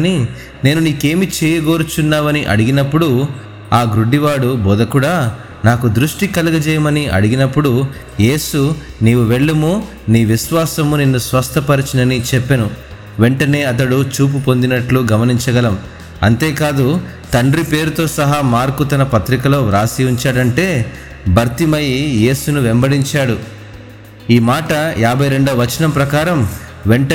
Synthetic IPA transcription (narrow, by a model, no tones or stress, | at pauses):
ni | ne̞ːnuniːke̞ːmit͡ʃɛːjɐɡo̞ːɾut͡ʃunːaːʋɐniʔɐ̰ɽiɡinɐpːuɽu | aːɡɾuɖːiʋaːɽuboːd̪ɐkuɽaː | naːkud̪ɾuʂʈikɐlɐɡɐd͡ʒɛːjɐmɐniʔɐ̰ɽiɡinɐpːuɽu | je̞ːsuniːwuʋeɭːɐmu | niːʋisʋaːsɐmuninːusʋɐst̪ʰɐpɐɾit͡ʃinɐnit͡ʃɛpːɐnu | ʋe̞ɳʈɐne̞ːɐt̪̬ɐɽut͡ʃuːp̬upo̞nd̪inɐʈluɡɐmɐniɲt͡ʃɐɡɐlɐm | ɐ̰nt̪eːkaːd̪u | t̪ɐɳɖɾipe̞ːɾut̪o̞ːsɐɦamaːɾkut̪ɐnɐpɐt̪ɾikɐloːɾaːsiuɲt͡ʃaːɽɐɳʈe̞ː | bʱɐɾt̪imɐjije̞ːsunuʋembɐɽiɲt͡ʃaːɽu | iːmaːʈɐjaːbʱɐjɾe̞ɳɖɐɐʋɐt͡ʃɐnɐmpɾɐkaːɾɐm | ʋeɳʈɐ